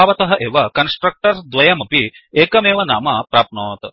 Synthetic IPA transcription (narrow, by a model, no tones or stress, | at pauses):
aːʋɐt̪ɐɦɐʔeːʋɐkɐnsʈɾɐk̚ʈɐɾd̪ʋɐjɐmɐpi | eːkɐmeːʋɐnaːmɐpɾaːpnoːt̪